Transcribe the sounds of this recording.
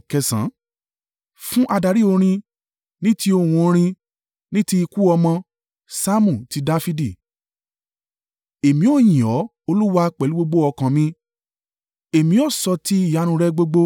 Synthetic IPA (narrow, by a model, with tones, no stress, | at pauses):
kɛ˧sã̰˨˦ | fũ˦ʔa˧da˧˨ɾi˦o˧ɾ̃ĩ˧ | nĩ˦ti˦o˧˨wũ˧o˧ɾ̃ĩ˧ | nĩ˦ti˦i˧ku˦ɔ˧mɔ̃˧ | sa˦mũ˦˨ti˨˦da˦fi˦di˦˨ | e˨mĩ˨˦o˦˨jĩ˨ɔ˨˦ | o˧lu˦wa˧k͡pɛ˨lu˦ɡ͡bo˧ɡ͡bo˦ɔ˧kã˧mĩ˧ | e˨mĩ˨˦ɔ˦˨sɔ˧ti˦i˦˨ja˨˦ɾ̃ũ˧ɾɛ˦ɡ͡bo˦ɡ͡bo˦